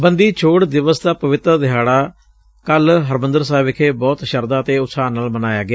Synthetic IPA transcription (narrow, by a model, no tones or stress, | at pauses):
bənd̪iːt͡ʃʰoːɽd̪ɪʋəsd̪aːpəʋɪt̪ɾəd̪ɪɦaːɽaː | kəlɦəɾmə̃nd̪əɾsaːʋɪkʰeːbɔːt̪ʃəɾd̪ãːət̪eːʊt̪saːnːaːlmənaːjaːɡɪaː